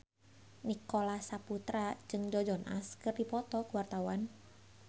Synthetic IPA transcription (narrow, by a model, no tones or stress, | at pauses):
nikolasaput̪ɾad͡ʒɨŋd͡ʒɔd͡ʒɔnʔa̰skɨrdipɔt̪ɔkuwart̪awan